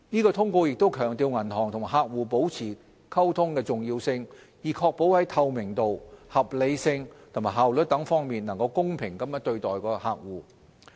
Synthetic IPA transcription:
niː˥kɔː˧t̪ʰʊ˥ŋkʷo˧jɪ˨k̚t̪o˥wkʰœː˨˩ŋt̪iː˨˧wŋɐ˨˩nhʰɔː˨˩ŋt̪ʰʊ˨ŋma˨˩ɦaː˧k̚wuː˨po˨˥wt͡sʰiː˨˩ | kʰɐ˥wt̪ʰʊ˥ŋkɛː˧t͡sʊ˨ŋjiː˧wsɪ˧ŋ | jiː˨˩kʰɔː˧k̚po˨˥whɐ˨˥jt̪ʰɐ˨˧wmɪ˨˩ŋt̪o˨whɐ˨p̚le˨˧jsɪ˧ŋt̪ʰʊ˨˩ŋmaː˨˩ɦaː˨wlɵ˨˥t̚t̪ɐ˨˥ŋfɔː˥ŋmiː˨nɐ˨˩ŋkɐ˧wkʊ˥ŋpʰɪ˨˩ŋkɐ˨˥mjɐ˥t̪ɵ˧ɥt̪ɔː˨jkɔː˧ha̰ː˨˧k̚wuː˨˩

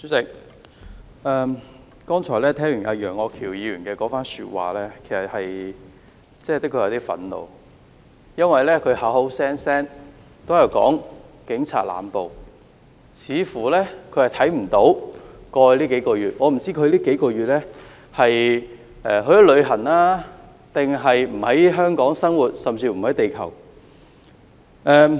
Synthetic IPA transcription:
syː˨˥sɪ˨˩k̚ | ɛː˨˧m | kɔː˥ŋt͡ʃʰɔː˨˩lɛː˥t̪ʰɛː˥ŋjyː˨˩nʔa̰˨˧jœː˨˩ŋɔː˨˧kʰiː˨˩wjiː˨˧ɥyː˨˩nkɛː˧kɔː˨˥faː˥nsyː˧t̚wa̰ː˨lɛː˥kʰe˨˩sɐ˨˩t̚hɐ˨j | t͡sɛ˥˨t̪ɪ˥kʰə˨˧jɐ˨˧wt̪iː˥fɐ̰˨˥nlo̰˨˧w | jɐ˥nwɐ˨jlɛː˥kʰɵ˨˧ha˨˥ɦo˨˥wsɛː˥nsɛː˥n | t̪o˥wjɐ˧wkɔ̰ː˨˥ŋkɪ˨˥ŋt͡sʰa̰ː˧t̚la̰ː˨mpo˨w | t͡sʰiː˨˧fuː˨˩lɛː˥kʰɵ˨˧ɥhɐ˨˩jt̪ʰɐ˨˥jm̩˨˩t̪o˨˥wkɔː˧liː˥ke˨˥jkɔː˧jyː˨˩t̚ŋɔː˨˧m̩˨˩t͡siː˥kʰɵ˨˧ɥliː˥ke˨˥jkɔː˧ɥyː˨t̚lɛː˥ | hɐ˨j | ɛː˨ɦɵ˨˧˥jɔ˥lɵ˨˧ɥɦɐ˨˩naː˥ | t̪ɪ˨ŋɦɐ˨jm̩˨˩hɐ˨˥jɦœː˥ŋkɔː˨˥ŋsɐ˥ŋwuː˨˩t̚sɐ˨mt͡siː˧m̩˨˩hɐ˨˥jt̪e˨jkʰɐ̰˨˩w | ʔɛː˨˧

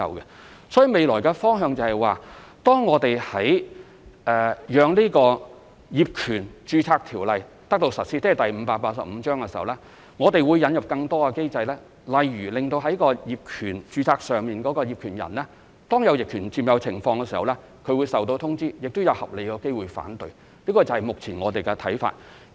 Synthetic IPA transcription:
ɐ̰˨˧wkɛ˧ | sɔ˨˥ji˨˧me˨jlɔː˨˩jkɛː˧fɔː˥ŋɦœː˧ŋt͡sɐ˨˧hɐ˨˩jwaː˨t̪ɔː˥ŋːɔː˨˧t̪e˨jhɐ˨˥j | ʔɛː˨jœː˨˧ŋliː˥kɔː˧ | jiː˨p̚kʰyː˨˩nt͡ʃyː˧t͡sʰaː˧k̚t̪ʰiː˨˩wlɐ˨jt̪ɐ˥k̚t̪o˧wsɐ˨t̚siː˥t͡sːjt̪ɐ˨jm̩˨˧˥paː˧k̚paː˧t̚sɐ̰˨p̚m̩ː˨˧t͡ʃœː˥ŋkɛ˧si˨˩hɐ˨˩wlɛː˥ | ŋɔː˨˧t̪e˨jwuː˨˧jːɐ˨˧njɐ˨p̚kɐ˧ŋt̪ɔː˥kɐ˧ke˥jt͡sɐ˧jlɛː˥ | lɐ˨jɥyː˨˩lɪ˨˩ŋt̪o˧wɦɐ˨˥jkɔː˧jiː˨p̚kʰyː˨˩nt͡ʃyː˧t͡sʰaː˧k̚sœː˨ŋmiː˨nkɔː˨˥kɔː˧jiː˨p̚kʰyː˨˩njɐ̰˨˩nlɛː˥ | t̪ɔː˥ŋjɐ˨˧wjɪ˨kʰyː˨˩nt͡siː˧mjɐ˨˧wt͡sʰɪ˨˩ŋfɔː˧ŋkɛ˧siː˨˩hɐ˨wlɛː˥ | kʰɵ˨˧ɥwuː˨˧jsɐ˨wt̪̬o˧wt̪ʰʊ˥ŋt͡siː˥jɪ˨k̚t̪ʊ˥jɐ˨˧whɐ˨p̚le˨jkɛː˧ke˥jwuː˨jfa̰ː˨˥nt̪ɵ˧ɥ | liː˥kɔː˧t͡sɐ˨whɐ˨jmʊ˨k̚t͡sʰiː˨˩nŋɔː˨˧t̪e˨jkɛ˧t̪ʰɐ̰˨˥jfa̰ː˧t̚

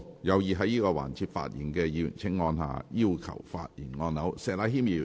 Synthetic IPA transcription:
jɐ˨˧wjiː˨ɦɐ˨˥jiː˥kɔː˧wa̰ː˨˩nt͡sʰiː˧t̚fa̰ː˧t̚jiː˨˩nkɛː˧jiː˨˧j̰nt͡sʰɪ˥ŋŋɔː˧nɦa̰ː˨˧jiː˥wkʰɐ̰˨˩wfa̰ː˧t̚jḭː˨˩nŋɔː˧nːɐ˨˥wsɛː˨˧laː˨˥ɦiː˥mjiː˨˧˩

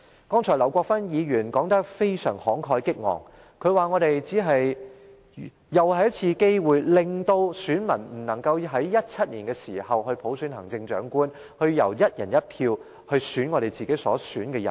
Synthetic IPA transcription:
kɔː˥ŋt͡ʃʰɔː˨˩lɐ˨˩wkʷɔː˧k̚fɐ˥njiː˨˧jyː˨˩nkɔː˨˥ŋt̪ɐ˥k̚fe˥jsœː˨˩ŋhɔː˨˥ŋkʰɔː˧jkɪ˥k̚ŋɔ̰ː˨˩ŋ | kʰɵ˨˧˥ɥwaː˨ŋɔː˨˧ɾe˨jt͡siː˨˥ɦɐ˨j | jɐ˨˩whɐ˨˧jɐ˥t̚t͡sʰiː˧ke˥jwuː˨jlɪ˨ŋt̪o˧wsyː˨˥nmɐ˨˩nm̩˨˩nɐ˨˩ŋkɐ˧wɦɐ˨˥jjɐ˥t̚t͡sʰɐ˥t̚liː˨˩nkɛː˧siː˨˩hɐ˨wɦɵ˧ɥpʰo˨˥wsyː˨˥nhɐ˨˩ŋt͡sɪ˧ŋt͡ʃœ̰ː˨˥ŋkuː˥n | hɵ˧ɥjɐ̰˨˩wjɐ˥t̚jɐ˨˩njɐ˥t̚pʰiː˧w | hɵ˧ɥsyː˨˥nŋɔː˨˧ɾe˨jt͡siː˨ke˨˥sɔ̰ː˨˥syː˨˥nkɛː˧jɐ˨˩n

